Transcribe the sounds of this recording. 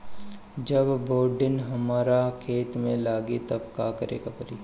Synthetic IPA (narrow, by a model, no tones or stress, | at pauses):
d͡ʒɐbboːɾɖɪnɦɐmaːɾakʰeːt̪mẽlaːɡit̪ɐbkakɐɾḛːkapɐɾiː